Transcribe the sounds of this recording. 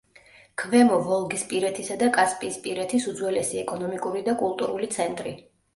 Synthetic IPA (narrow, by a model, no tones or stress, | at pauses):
kʰvɛmɔvɔlˠɡispʼiɾɛt̪ʰisad̪akʼaspʼiːspʼiɾɛt̪ʰisud̪zwɛlɛsiɛkʼɔnɔmikʼuɾid̪akʼulˠt̪ʼuɾulit̪sʰɛnt̪ʼɾi